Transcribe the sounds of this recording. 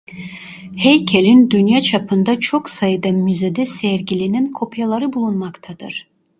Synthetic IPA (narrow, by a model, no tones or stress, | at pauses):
hejcʰelʲind̪ynjat͡ʃʰapʰɯnd̪at͡ʃʰo̞ksajɯd̪amyze̞d̪ɛsɛɾɟilʲininkʰo̞pʰjalˠaɾɯbulˠunmakt̪ʰad̪ɯ̰ɾ̥